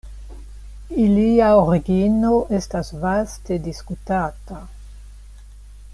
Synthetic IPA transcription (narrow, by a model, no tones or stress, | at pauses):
iliaoɾiɡinoʔestasvaste̞diskutata